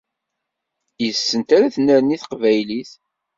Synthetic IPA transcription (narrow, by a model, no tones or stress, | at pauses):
jəsːənt̪aɾaθnːəɾniθqvæjliθ